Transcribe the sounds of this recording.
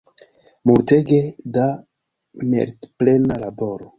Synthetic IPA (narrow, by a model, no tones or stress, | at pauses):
muɾteɡeda | nḛɾtplenalaboɾo